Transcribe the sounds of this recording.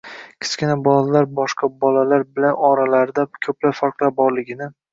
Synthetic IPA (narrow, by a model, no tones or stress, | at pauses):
kʲʰɪ̥skʲɪnabɒlalaɾbɒʃqʰɑbɒlalaɾbɪlanɒɾalaɾd̪akʲʰɵplapfaɾqlˠabɒɾlɪɡʲɪnɪ